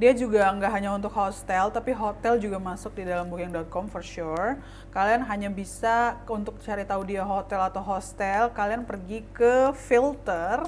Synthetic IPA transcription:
diad͡ʒuɡaŋɡaʔɦaɲaunt̪ʊk̚host̪ɛlt̪apiɦot̪ɛld͡ʒuɡamasʊk̚didalambukaŋdɔt̪̚kɔmfərʃur | kalianɦaɲabisaunt̪ʊk̚t͡ʃaɾit̪audiaɦot̪ɛlat̪awɦost̪ɛlkalianpərɡikəfilt̪ər

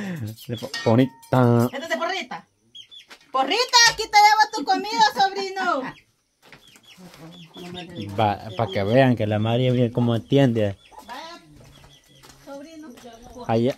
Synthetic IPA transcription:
epponit̪ãporit̪a | porit̪akit̪ajaβat̪ukomiðasoβɾino | papakeβeaŋkelamaɾjaβjekomoent̪jend̪e | aja

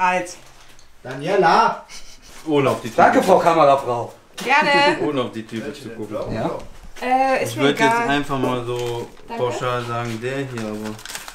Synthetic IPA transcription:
ʔalt | d̥anjɛla | ʔoːnəaʊfd̥iːd̥aŋkəfʁ̥aʊkʰamɐʁafʁ̥aʊ | ɡ̥ɛɐnəʔoːnəaʊfd̥iːtʰyːpət͡sukʊkŋ̩j̩aːʔɛɪɪç̬ʏɐdəjɛt͡stʔaɪnfaχmaːlzoː | pʰaʊʃaːlzaːɡŋ̩deːɐɦiːɐaːbɐ

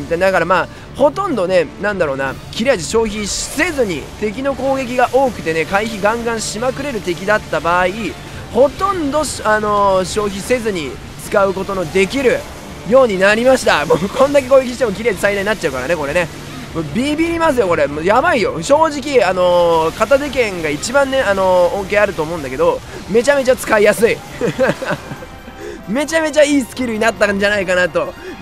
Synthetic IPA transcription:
it̪ad̪akaɾamaː | ho̞t̪õ̞nd̪o̞ne̞nãnd̪aɾo̞ːna̰kʲiɾʲiaʑiɕo̞ːçiɕi̥se̞zɨɲ̟it̪e̞k̬ʲino̞ko̞ːɡe̞k̬ʲiɡaʔo̞ːkɯ̟t̪e̞ne̞kaiçiɡãŋɡãɰ̃ɕimakɯ̟ɾe̞ɾɯ̟t̪e̞kʲid̪at̪ːabaːi | ho̞t̪õ̞nd̪o̞ɕano̞ɕo̞ːçise̞zɨɲ̟i | t͡sɨ̥kaɯ̟ko̞t̪o̞no̞d̪e̞kʲiɾɯ̟ | jo̞ːɲ̟inaɾʲimaɕi̥t̪amoːkʰõ̞nd̪ak̬e̞koːɡek̬ʲiɕi̥t̪emo̞k̬ʲiɾe̞ːɲisaid̪aɲ̟inatt͡ɕ̚ːaɯ̟kaɾa̰neko̞ɾe̞ne̞ | mobʲiːbʲiːɾʲimas̬ɨjoko̞ɾe̞mojabaijo̞ɕo̞ːʑik̬ʲiano̞kat̪azekẽ̞ŋɡait͡ɕibãnːe̞ano̞õŋke̞aɾɯ̟t̪o̞ːmo̞ɯ̃nd̪ake̞d̪o̞me̞t͡ɕame̞t͡ɕat͡sɨ̥kaijasɨi | me̞t͡ɕame̞t͡ɕaiːsɨ̥kʲiɾɯ̟ɲ̟inat̪ːaɲd͡ʑanaikanat̪o̞

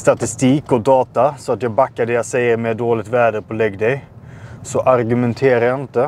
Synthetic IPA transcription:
st̪at̪ɪst̪iːkɔd̪ɑːt̪asɔat̪jɑːɡbakːaɖɛjasɛjːəɾmɛd̪oːlɪt̪væːɖəpʰɔlɛɡːd̪ɛj | sɔʔaɾɡʉmɛnt̪ʰeːɾajaɪnt̪ə

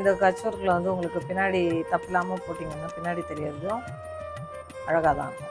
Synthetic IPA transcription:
nd̪ɐkɐt͡ʃːɐɾɣɐɭʋɐnd̪ɯʊŋɡɐɭɯkːɯpɪnːaːɽit̪ɐpːɪlaːmɐpoːʈːiːŋɡɐnːapɪnːaːɽit̪ɛɾɪjaːðɯðõ | ɐɻɐɣaːðã̰ː

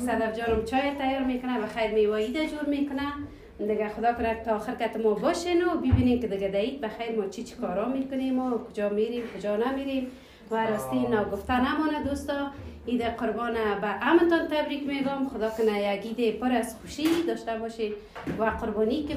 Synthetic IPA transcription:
salaɾd͡ʒɔnɔmt͡ʃɔjat̪ajɔɾmekʊnabaxajɾmewaid̪ad͡ʒoɾmekʊna | d̪ɪɡaxʊd̪ɔkʊnakt̪ɔːxɪɾkat̪ɪmɔbɔʃenʊbibinemkɪd̪ɪɡad̪ait̪̚baxajɾmɔt͡ʃʰit͡ʃʰi̥kɔɾɔmekʊnemokʊd͡ʒɔmeɾemkʊd͡ʒɔnameɾem | waɾɔst̪enɔɡʊft̪anamɔnad̪ost̪ɔ | id̪aqʊɾbɔnabaʔamnt̪ɔnt̪abɾikmeɡɔmxʊd̪ɔkʊnajaɡid̪epʊɾasxuʃid̪ɔʃt̪abɔʃe | waqʊɾbɔnikɪ

